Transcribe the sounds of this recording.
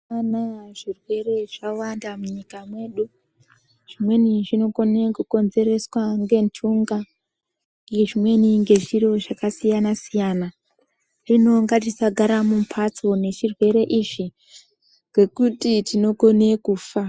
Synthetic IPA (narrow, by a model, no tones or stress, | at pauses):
anaʐirwe̞ɾe̞ʐawandamuɲikamwe̞ːɗu | ʐ̥imwe̞niʐino̞ko̞ne̞kuko̞nze̞ɾe̞swaŋɡe̞ntʰuŋɡa | ʐimwe̞niŋɡe̞ʐiɾo̞ʐakasijanasijaːna | rino̞ŋɡat̬isaɡʱaɾamumpʰat͡so̞ne̞ʃirwe̞ɾe̞ʔiʐi | ŋɡe̞kutitino̞ko̞ne̞kuːfa